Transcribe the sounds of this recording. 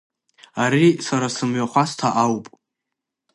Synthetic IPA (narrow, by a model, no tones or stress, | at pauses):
aɾisaɾasɨmɥaχʷastʰaʔawpʼ